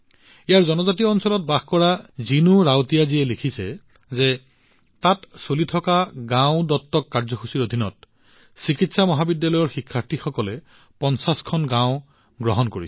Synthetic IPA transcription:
ijaɹzɔnɔzatijɔɔnsɔlɔt̚baxkɔɹazinuɹawtijaziɛlekʰisɛ | zɛ | tatsolitʰɔkaɡãʊ̃dɔtːɔkːaɹzɔxʰusiɹodʱinɔt̚ | sikitsamɔɦabidjalɔjɔɹxikʰːaɹtʰixɔkɔlɛ | pɔnsaskʰɔnɡãwʊ̃ | ɡɹɔɦɔnkoɹḭsɛ

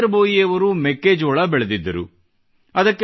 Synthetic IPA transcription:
ɾboːjiɐʋɐɾumɛkːeːd͡ʒoːɭɐbɛɭed̪id̪ːɐɾu | ɐd̪ɐkː

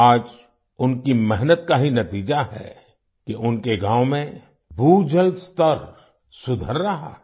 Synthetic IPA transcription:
aːd͡ʒ | ʊnkimɛɦnət̪kaɦinɐt̪iːd͡ʒaɦɛ̰ | kiʔʊnkeɡãːwmẽ | bʱud͡ʒəlst̪əɾ | sʊd̪ʱəɾːɐɦa̰ɛ

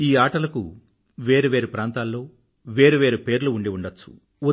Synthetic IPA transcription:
iːaːʈɐlɐkṵ | ʋeːɾeʋe̞ːɾepɾaːnt̪aːlːo̞ː | ʋe̞ːɾeʋe̞ːɾepe̞ːɾluːɳɖiuɳɖɐt͡ʃːt͡sːu̥̰ | u

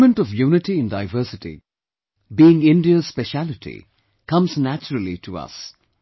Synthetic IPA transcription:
mə̃nʈɔvjuːnɪʈiɨ̃ndaɪvəːsɪʈḭ | biːɪ̃ŋɪ̃nɖiəz̥spɛʃælɪʈʰḭ | kʰʌ̃mznæt͡ʃəɾəlḭʈʰuʌ̰s

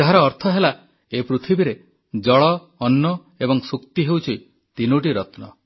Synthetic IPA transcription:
aɦaɾɔːɾt̪ʰɔɦela | epɾut̪ʰibiɾe | d͡ʒɔɭɔː | nːɔ | ebɔŋsukt̪iɦewt͡ʃʰi | t̪inuʈ̬iɾɔt̪nɔ̰

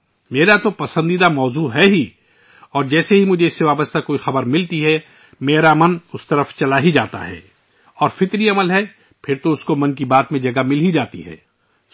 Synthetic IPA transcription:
meːɾat̪opɐsə̃nd̪id̪amɔːzuːɦɛɦi | ɔːɾd͡ʒɛːseɦimʊd͡ʒʱeɪsːeʋaːbəst̪akoːixɐbəɾmɪlt̪iɦɛ | meːɾamɐnʊst̪ɐɾəft͡ʃɐlaːɦid͡ʒaːt̪a̰ɦɛ̰ː | ɔːɾfɪt̪ɾiɐməlɦɛ | pʰɪɾt̪oʊskomɐ̃nkibaːt̪mẽd͡ʒɐɡamɪlid͡ʒaːt̪ḭɦɛ̰ː

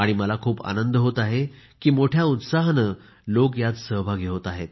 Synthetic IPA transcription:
aɽ̃iməlakʰuːpa̰nənd̪ɦot̪aɦekiːmoʈʰjaut̪saɦnə | lokjat̪səɦbʱaɡʱeot̪aɦet̪̚

